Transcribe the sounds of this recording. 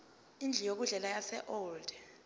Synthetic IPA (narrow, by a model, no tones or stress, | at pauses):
ind͡ɮʱijok̬uɮɛlajasɛ̰ʔɔld̥ʱɛ